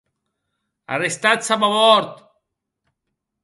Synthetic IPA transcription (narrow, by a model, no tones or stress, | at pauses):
a̰rest̪at͡samaβɔɾt̪